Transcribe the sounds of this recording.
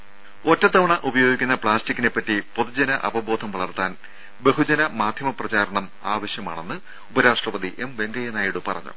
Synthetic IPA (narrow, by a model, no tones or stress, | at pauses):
o̞tːɐt̪ːɐʋɐɳɐʔubɐjo̞ːɡikʲːunːɐpɭaːstikʲːine̞pːɐtːipo̞ðud͡ʑɐnɐʔɐ̰bɐbo̞ːd̪ʱɐmʋɐɭɐrt̪ːaːn | be̞ɦud͡ʑɐnɐmaːd̪ʱjɐmɐprɐt͡ɕaːɾɐɳɐm | aːʋɐɕjɐma̰ːɳe̞nːɨ | upɐɾaːʂʈrɐʋɐðiʔemʋe̞ŋɡɐjɐnaːjiɽupɐrɐ̰ɲːṵ